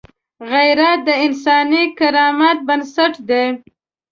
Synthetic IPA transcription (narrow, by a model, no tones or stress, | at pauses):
ɣajɾat̪̚d̪əɪnsɑnikaɾɑmat̪̚bansaʈd̪e